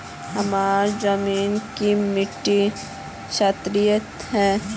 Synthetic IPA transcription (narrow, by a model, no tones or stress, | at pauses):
hɐmaːɾzəmiːnkimɪʈːi | ʃaːt̪ɾijət̪ | ɦɛ̃ː